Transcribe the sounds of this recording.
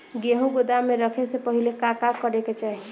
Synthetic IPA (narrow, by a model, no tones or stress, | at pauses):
ɡeɦũɡod̪ameɾʌkʰesepʌɦilekakakʌɾeket͡ʃaɦĩ